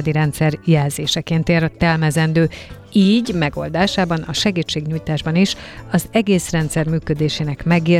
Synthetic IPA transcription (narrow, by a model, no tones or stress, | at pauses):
d̪iɾɛnt̪sɛrjɛlzeːʃɛkeːnt̪ert̪ɛlmɛzɛnd̪øː | iːɟmɛɡo̞̰ld̪aːʃaːbɒnɒʃɛɡiːt͡ʃːeːɡɲuːjt̪aːʒbɒniʃɒzɛɡeːsrɛnt̪sɛrmyːkø̞d̪eːʃeːnɛkmɛɡeː